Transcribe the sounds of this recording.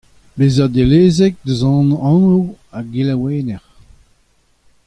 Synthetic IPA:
beːzɛʁd̪eleːzɛk̚d̪əzɑ̃ːnɑ̃nuaɡilaweːnɛʁ

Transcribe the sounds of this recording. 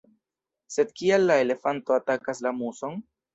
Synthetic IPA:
se̞d̪̚kialːae̞le̞fanto̞atakaslamuso̞n

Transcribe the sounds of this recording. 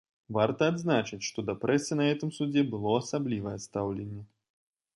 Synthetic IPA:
vart̪ɐːd̪znat͡ʂɨt͡sʲʂt̪ɔd̪ɐpɾɛsʲɛnɐɣɛt̪ɨmsud͡zʲɛbɨlˠɔasablʲivɐjɐst̪awlʲenʲːɛ

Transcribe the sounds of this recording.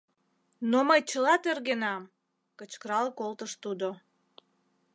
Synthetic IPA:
noməjt͡ɕəlɑt̪erɣenɑm | kət͡ɕkəɾɑlkolt̪əʃt̪ud̪o

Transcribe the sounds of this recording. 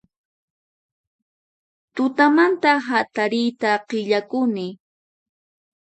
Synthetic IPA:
t̪ʊt̪amant̪aɦat̪aɾɪjt̪aqɪʎakʊnɪ

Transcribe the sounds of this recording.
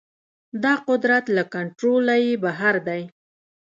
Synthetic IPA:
d̪ɑqʊd̪ɾat̪lakaɳʈɾolajebaɦaɾd̪aj

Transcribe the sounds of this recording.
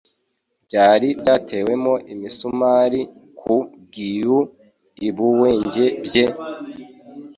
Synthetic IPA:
bɟaːɾibɟaːtʰe̞we̞moʔimisumaːɾikʰubɡiju | iβuwe̞ːɲɟe̞bje

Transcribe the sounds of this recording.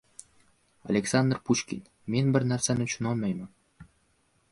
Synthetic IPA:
ɑ̰lʲeksɑnd̪rpuʃkʲḭn | menbɘɾnæɾsæmeʃŭnolmɑjmə

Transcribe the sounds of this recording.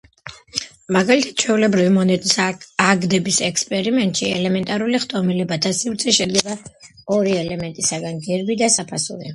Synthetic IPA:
maɡalit̪ʰat̪̚t͡ʃʰwɛulɛbɾivimɔnɛt̪ʼisaɡd̪ɛbisɛkspʼɛɾimɛnt̪ʼʃiɛ̰lɛmɛnt̪ʼaɾuliχt̪ʼɔmilɛbat̪ʰasivɾt̪sʰʼɛʃɛd̪ɡɛba | ɔɾiɛlɛmɛnt̪ʼisaɡanɡɛɾbid̪asapʰasṵɾḭ

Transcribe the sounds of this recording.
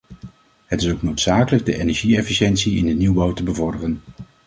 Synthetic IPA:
ɦətɪsowknowtsaːkələɡ̚dəʔejnɛɹʒiɛfiʃɛntsiɪndəniwbɑwtəbəvɔɹdərən

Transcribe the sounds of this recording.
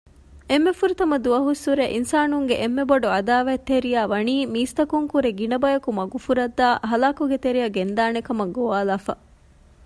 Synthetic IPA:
emːefuɾit̪ɐmɐd̪uɐɦusːuɾeʔinsaːnuŋɡeʔemːeboɖuɐd̪aːʋæt̪ːeɾijaːʋɐniːmiːst̪ɐkuŋkuɾeɡinɐbɐjɐkumɐɡufuɾɐd̪ːaːɦɐlaːkuɡet̪eɾijɐɡend̪aːnekɐmɐɡoʋaːlaːfɐ̰

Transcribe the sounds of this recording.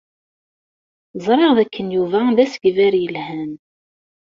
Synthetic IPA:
zˤɾˤeʁðækʰːənjuvæðæsɡvæɾjəlhæn

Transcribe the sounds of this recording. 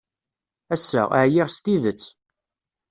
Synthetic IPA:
æsːæ̰aʕjiʁst̪iðət͡sː

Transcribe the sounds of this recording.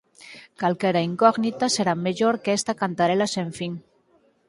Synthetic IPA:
kalkeɾaiŋkɔɣnit̪aseɾameʒoɾkest̪akant̪aɾelaseɱfiŋ

